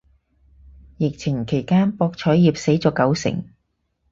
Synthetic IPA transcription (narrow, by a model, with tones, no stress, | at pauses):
jɪ˨k̚t͡sʰɪ˨˩ŋkʰe˨˩jkaː˥npɔː˧k̚t͡ʃʰɔː˨˥jjiː˨˩p̚se˨˥jt͡sɔː˨˥kɐ˨˥wsɪ̰˨˩ŋ